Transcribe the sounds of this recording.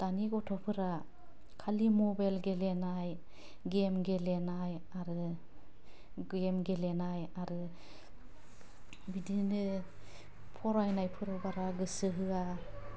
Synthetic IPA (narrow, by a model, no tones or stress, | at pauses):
d̥aniɡɔtʰɔpʰɯɾa | kʰalimɔbajlɡelenaj | ɡemɡelenaj | aɾɯ | ɡemɡelenajaɾɯ | bidinɯ | pʰɔɾajnajpʰɯɾawbaɾaɡɯsɯɦɯa